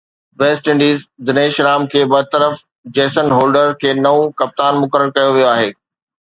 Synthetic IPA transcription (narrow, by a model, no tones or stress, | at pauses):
ʋeːsʈɪ̃ɳɖiːzd̪ɪneːʃɾaːmkʰeːbɐt̪əɾəf | d͡ʑeːsənɦoːlɖəɾkʰeːnɐõkɐp̚t̪aːnmʊkəɾəɾkɐjoʋijoaːɦeː